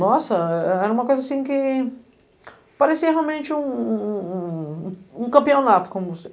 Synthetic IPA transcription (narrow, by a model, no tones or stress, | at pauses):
nɔsɐɛɛɛɾɐũmɐkojzasĩkɪ | paɾesiɐɦealmẽnt͡ʃɪũ | ũkɐ̃mpionat̪ʊ̥kõmʊvose